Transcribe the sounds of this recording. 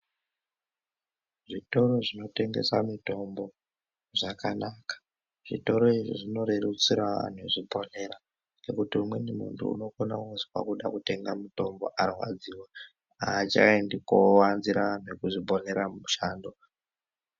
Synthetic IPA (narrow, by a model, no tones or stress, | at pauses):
ʐito̞ɾo̞ʐino̞te̞ŋɡe̞̰samito̞mbo̞ | ʐakanakḁ | ʐ̥ito̞ɾo̞iʐḭʐino̞ɾerut͡siɾaʋa̰n̤eʐibʱo̞ne̞ɾa | nekutiumwe̞nimṵntʰṵṵno̞kona̰kuzi̥wa̰kuɗakute̞ŋɡamuto̞mbo̞̰ʔarwa̰d͡ziwa | at͡ʃa̰endikowanziɾaʋan̤uekuʐibʱo̞ne̞ɾamuʃaːndo̞